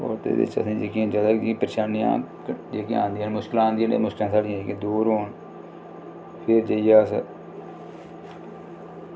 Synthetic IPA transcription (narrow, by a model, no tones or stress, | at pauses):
o̰ːɾt̪ḛːd̪ɪ̰t͡ʃə̰sĩːd͡ʒekĩːd͡ʒaːd̪aːkd͡ʒĩpəɾʃaːnijã̰ː | d͡ʒeːkiã̰ːnd̪iːənmʊʃkɪlãːnd̪iːənḛːmʊʃkɪlãːsaːɽijãːiːked̪uːɾɦoːn | pʰɪɾd͡ʒəijaːs